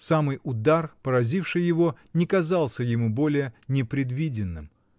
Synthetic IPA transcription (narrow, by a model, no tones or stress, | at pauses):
samɨjʊd̪arpəɾɐzʲifʂɨjːɪvo | nʲɪkɐzalˠsʲəjɪmubo̞lʲɪjənʲɪpɾʲɪd̪vʲidʲɪnːɨ̰m